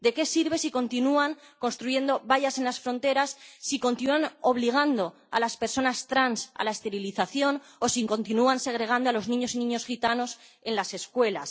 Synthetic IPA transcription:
d̪e̞ke̞siɾβe̞siko̞nt̪inuaŋko̞nst̪ɾuʝe̞nd̪o̞βaʎase̞nlasfɾo̞nt̪e̞ɾasːiko̞nt̪inuano̞β̞liɣ̞and̪o̞ | a̰laspe̞ɾso̞nast̪ɾansa̰lae̞st̪e̞ɾiliθaθjo̞n | o̞siŋko̞nt̪inuanse̞ɣ̞ɾe̞ɣ̞and̪oalo̞znĩɲo̞sinĩɲo̞sxit̪ano̞s | e̞nlase̞skwe̞las

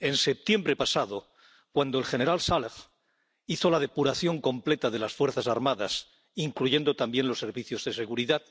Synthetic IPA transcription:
e̞nse̞p̚t̪je̞mbɾe̞pasaðo̞ | kwand̪oelxe̞ne̞ɾalsalf | iθo̞laðe̞puɾaθjo̞ŋkõ̞mple̞t̪aðe̞lasfwe̞ɾθasaɾmaða̰s | iŋkluʝe̞nd̪o̞t̪ambje̞nlo̞sːe̞ɾβiθjo̞zðe̞se̞ɣuɾiðað

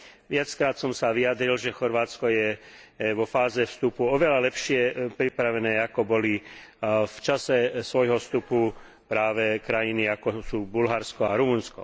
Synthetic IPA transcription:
ʋɪat͡skɾaːt̪sɔmsaʋiad̪ɾilʒɛxɔɾʋaːt͡skɔjɛ | ʋɔfaːzɛfst̪upuɔʋɛlalɛpʃɪɛpɾipɾaʋɛnɛːakɔbɔli | ft͡ʃasɛsʋɔjɦɔfst̪upu | pɾaːʋɛkɾajiniakɔsuːbulɦaɾskɔaɾumunskɔ̰

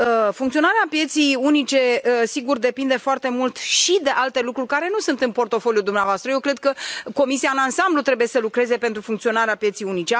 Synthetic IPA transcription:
fuŋkt̪sio̞naɾeapje̞t̪sijunit͡ʃe̞əsiɡurd̪e̞pind̪e̞foart̪e̞mult̪ʃid̪e̞ʔalt̪e̞lukɾurʲkaɾe̞nusunt̪ɨnpo̞rt̪o̞foljud̪umneavoast̪ɾəje̞wkɾe̞d̪̚kəko̞misiaɨnansamblut̪ɾe̞buje̞səlukɾe̞zepe̞nt̪ɾufuŋkt̪sio̞naɾeapjesijunit͡ʃe

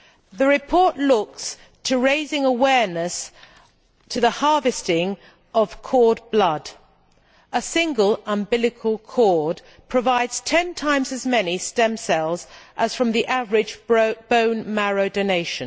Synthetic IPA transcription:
ðɨɹɨpʰɔɹʔlʊks | tʰɨɹeɪzɪ̃ŋəwɛɹnəs | tʰɨðəhɑɹvɨstɪ̃ŋ | ʔʌv̥kʰɔɹd̚blʌd | ʔəsɪ̃ŋɡəlˠə̃mbɪlˠɨkʰəl̩ˠkʰɔɹd | pʰɹ̥əvaɪdz̥tʰɛ̃ntʰãɪ̃mzɨzmɛnistɛ̃msɛlˠzʔəz̥fɹʌ̃mðiʔavəɹɪd͡ʒb̥õʊ̃nmæɹoʊdəʊneɪʃɨ̃n

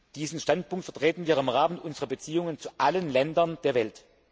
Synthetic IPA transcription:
d̥iːzn̩ʃtant̚pʊŋk̚tfɛɐtʁ̥eːtn̩viːɐʁɪmʁaːmənʔʊnzəʁɐbət͡siːʊŋənt͡suʔalənlɛndɐnd̥eːɐvɛlt

